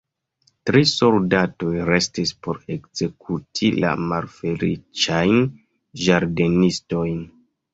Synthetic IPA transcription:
tɾiso̞ldato̞jɾe̞stispo̞ɾe̞kz̥e̞kʰutʰila̰malfe̞lḭt͡ʃajn | ʒaɾde̞nisto̞jn

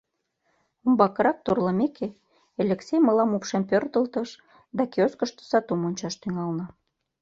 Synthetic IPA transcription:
umbɑkəɾɑk̚t̪orləmeke | elʲekseməlɑmupʃempørd̪ə̆lt̪əʃ | d̪ɑkeoskəʃt̪o̥sɑt̪omonʲt͡ɕɑʃt̪yŋɑlnə̆

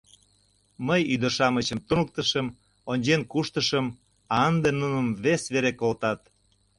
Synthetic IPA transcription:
məjyd̪əʃɑmət͡ɕəmt̪unək̚t̪əʃəm | onʲd͡ʑenkuʃt̪əʃəm | ɑənd̪enunəmβesβeɾekolt̪ɑt̪

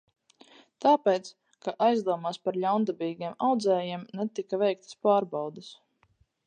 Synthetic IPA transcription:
t̪aːpejt̪s | kaʔajzd̪uɔmaːspaɾlʲawnd̪abiːɡʲiɛmawd̪zɛːjiɛmnɛt̪ikavɛjk̚t̪ḁspaːɾbawd̪es

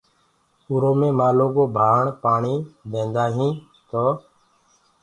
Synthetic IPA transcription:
ʊɾoːmẽːmaːloːɡoːbʱaːɳpaːɳiːb̪ẽːnd̪aːɦĩː | t̪oː

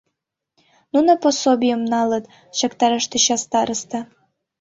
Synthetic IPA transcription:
nunoposobʲijəmnɑlət̪ | ɕɑkt̪ɑɾəʃt̪əɕɑst̪ɑɾəst̪ɑ

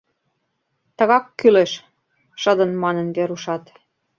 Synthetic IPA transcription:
t̪ə̆ɣɑkːyleʃ | ʃəd̪ə̆nmɑnə̆nbeɾuʃɑt̪

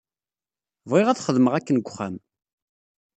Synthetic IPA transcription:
vʁeʁæθχəðməʁækːənɡʷχam

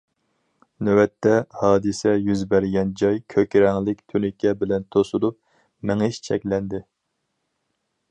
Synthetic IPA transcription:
nøwɛt̪ʰːɛhɑːd̪ɨsɛjyzbæɾɡʲɛnd͡ʒɑjkʲʰøkʲɾɛŋlˠɪkʲt̪ʰynɪkʲʰɛbɪlɛnt̪ʰosulˠup̚ | mɪŋɪʃt͡ʃʰɛkʲlɛnd̪ɪ

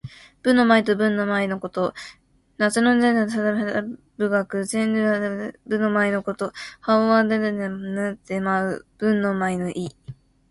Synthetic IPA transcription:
b̥ɯ̟nːo̞mait̪obɯ̟̃nːo̞mainoko̞t̪o̞ | nat͡sɨnond̪enɯsad̪amea | bɯ̟ɡakɯ̟zẽnɾɯabɯ̟nomaino̞ko̞t̪o̞haoβãnd̪eenemnɯt̪emaɯ̟b̥ɯ̟̃nːo̞mainoʔi

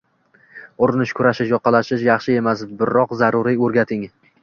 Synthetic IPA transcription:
ʊɾɪnɪʃkʰʊɾaʃɪʃjɒqʰːɑlaʃɪʃjɑχʃɪe̞masbɪɾːɒqzaɾʊɾiɵɾɡʲat̪ʰɪŋ

